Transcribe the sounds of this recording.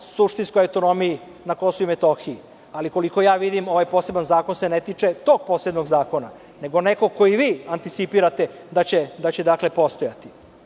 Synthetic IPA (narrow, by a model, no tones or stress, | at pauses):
suʂt̪inskojawt̪o̞no̞miji | nako̞souimet̪o̞xii | aliko̞liko̞jaːʋid̪imo̞ʋajpo̞ːse̞banzaːko̞nsenet̪it͡ʂe̞t̪o̞ɡ̚po̞sled̪noɡzaːko̞na̰ | ne̞ɡo̞ne̞koko̞jiʋiːant̪it̪sipiɾat̪ed̪at͡ɕed̪at͡ɕed̪akle̞po̞st̪o̞jat̪i̥